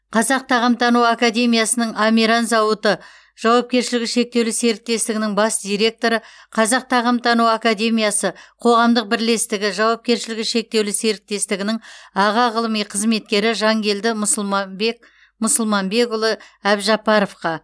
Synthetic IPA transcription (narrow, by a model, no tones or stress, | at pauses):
qʰɑzɑq̚t̪ʰɑʁəmt̪ʰɑnuwakad̪ʲe̞mʲijasənəɴɑmʲiɾɑnzɑwət̪ə | ʒ̥ɑwɑp̚kʲe̞ɾʃɪlɪɡʲɪʃe̞k̚t̪ewlɪse̞ɾɪk̚t̪e̞st̪ɪɡʲɪnɪŋbɑsd̪ʲijɾe̞k̚t̪o̞ɾə | qʰɑzɑq̚t̪ʰɑʁəmt̪ʰɑnuwakad̪ʲe̞mʲijɑsəqʰo̞ʁɑmd̪əq̚bɪɾle̞st̪ɪɡʲɪʒɑwɑp̚kʲe̞ɾʃɪlɪɡʲɪʃe̞k̚t̪e̞wlɪse̞ɾɪk̚t̪e̞st̪ɪɡʲɪnɪŋɑʁɑʁəlˠəmijqʰəzme̞t̪kʲe̞ɾɪʒɑŋɡʲe̞ld̪ɪmʊslˠmɑbek | mʊsʊlˠmɑnbe̞ɡʊlˠəæbʒɑpɑɾofqɑ